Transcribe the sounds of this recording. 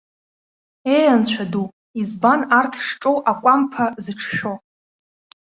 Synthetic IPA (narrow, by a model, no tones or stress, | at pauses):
ejant͡ɕʷʰadu | izbanartʰʂʈ͡ʂʼowʔakʷʼampʰazɨʈ͡ʂʰʃᶣo